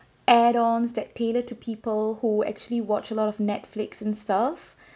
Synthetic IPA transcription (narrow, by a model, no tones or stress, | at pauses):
ʔɛɾɔ̃nsdɛtʰːelətʰupʰiːpəlhuɛ̰k̚t͡ʃuəliwɔt͡ʃəlɔɾɔvnɛtflɪksɛ̃nstaf